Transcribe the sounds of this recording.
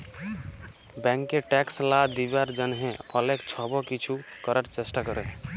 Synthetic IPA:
bɛ̃ŋkːeʈɛkslad̪ibaɾd͡ʒənɦẽɔlekt͡ʃʰɔbɔkit͡ʃʰukəɾəɾt͡ʃesʈakəɾe

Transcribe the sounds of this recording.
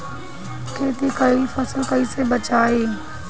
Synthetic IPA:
keːt̪ikɐifɐsəlkɐisebɐt͡ʃaːeː

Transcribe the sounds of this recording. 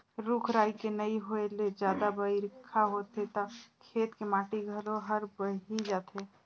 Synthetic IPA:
ɾukʰɾajkenəiɦoeled͡ʒad̪abəiɾkʰːaɦot̪et̪ɔkʰet̪kemaʈiɡʱəloɦəɾbəɦid͡ʒat̪ɦe

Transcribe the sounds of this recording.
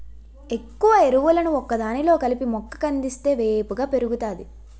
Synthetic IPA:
e̞kːuʋɐe̞ɾuʋulɐnuɔkːɐd̪aːnilo̞ːkɐlipimɔkːɐ̥kɐnd̪ist̪e̞ːʋe̞ːpuɡaːpe̞ɾuɡut̪aːd̪i

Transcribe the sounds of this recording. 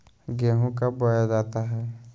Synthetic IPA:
ɡɛːɦõkabəjad͡ʒaːt̪aɦɛː

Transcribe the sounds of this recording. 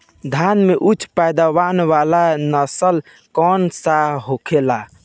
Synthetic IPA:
d̪ʱanmeʔut͡ʃʰpajd̪aʋanʋalanəsəl | kɔnsaɦokʰela

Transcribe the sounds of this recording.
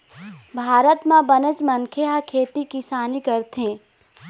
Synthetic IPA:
bʱaːɾət̪mãbɐnəd͡ʒmɐnkʰeɦakʰeːt̪ikisaːnikɐɾt̪ɦẽː

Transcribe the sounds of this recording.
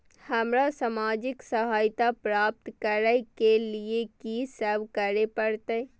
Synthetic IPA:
hɐmɾasamaːd͡ʒɪksəɦaːjt̪apɾaːp̚t̪kəɾəkeliekisəɾʋkəɾepəɽt̪aɛ

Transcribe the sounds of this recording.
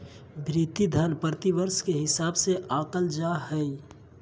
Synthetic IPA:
bʱɾiːt̪id̪ʱanpəɾt̪iʋəɾskeɦɪsaːbseʔaːkəld͡ʒaɦɛi

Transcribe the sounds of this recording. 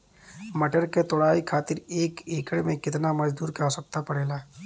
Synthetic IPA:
mɐʈəɾket̪ʊɽaːikʰaːt̪ɪɾeːkeːkəɽmẽkɪt̪namɐd͡ʒd̪uːɾkaosɐk̚t̪apɐɽeːlaː

